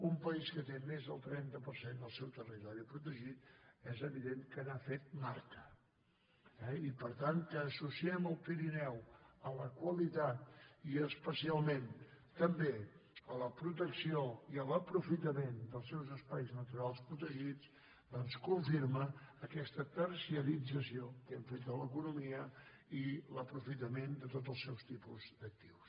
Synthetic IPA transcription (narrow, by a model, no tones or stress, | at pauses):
umpəiskət̪emezðəlˠt̪ɾɛnt̪əpəɾsend̪əlˠsɛwt̪ərit̪ɔɾipɾut̪əʒit̪ɛzəβiðenkənafet̪̚maɾk̪ə | ɛipəɾt̪ankəːsusiɛməlˠpiɾinɛwələkwəlit̪at̪̚iəspəsialˠmẽnt̪əmbeələpɾut̪̬əksioiələpɾufit̪əmend̪əlˠsɛwzəspajznət̪uɾalˠspɾut̪əʒit͡s | d̪ɔnskuɱfiɾməːkɛst̪əpəɾsiəlid͡zəsiokɛɱfet̪ələkunumiə | iləpɾufit̪əmend̪ət̪ot̪əlˠsɛwst̪ipuzd̪ək̚t̪iws